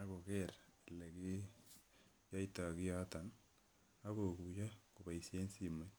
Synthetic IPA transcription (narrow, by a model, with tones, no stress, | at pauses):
a˦ɣo˨ke˦˨ɾale˨ki˦ | ja˦i˦ta˨ɣi˦ja˦ta˨n | a˦ɣo˨kuja˦ko˨βa˨i˨sje˦nsi˦me˦